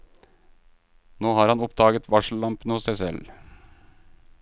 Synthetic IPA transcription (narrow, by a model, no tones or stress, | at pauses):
noːhɑːɾhɑnʊpd̪ɑːɡət̪ʰʋɑʂl̩lɑmpənɔsæɪsɛl